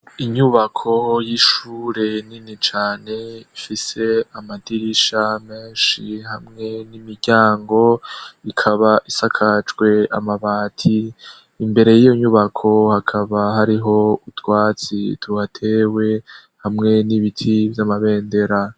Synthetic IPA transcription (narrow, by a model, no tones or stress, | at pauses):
iɲuβakʰo̞jiʃuːɾe̞ninit͡ʃaːne̞ifise̞amadiɾiʃame̞ːnʃihamŋe̞nimiɾɟaːŋɡo̞ikʰaβaʔisakʰat͡ʃɡwe̞amaβaːtʰiː | mbe̞ɾe̞jijo̞ɲuβakʰo̞hakʰaβaɦaɾiɦo̞utwaːt͡sitʰuhatʰe̞we̞ | hamŋe̞niβitʰivjamaβe̞ːnde̞ɾa